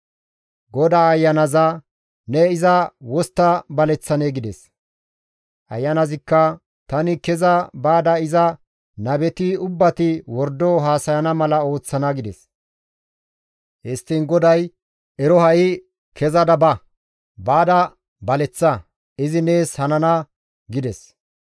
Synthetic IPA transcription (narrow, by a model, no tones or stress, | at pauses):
ɡɔd̪aːjːɐnɐzɐ | nɛɪzɐwɔst̪ːɐbɐlɛt͡sːɐneːɡɪd̪ɛs | ʔɐ̰jːɐnɐzɪkːɐ | t̪ɐnɪkɛzɐbaːd̪ɐɪzɐ | nɐbɛt̪ɪʊbːɐt̪ɪwɔɾd̪ɔɦaːsɐjɐnɐmɐlɐo̞ːt͡sːɐnɐɡɪd̪ɛs | hɪst̪ːɪnɡɔd̪ɐj | ɛɾɔhɐʔɪ | kʰɛzɐd̪ɐbɐ | baːd̪ɐ | bɐlɛt͡sːɐ | ɪzɪne̞ːshɐnɐnɐ | ɡɪd̪ɛs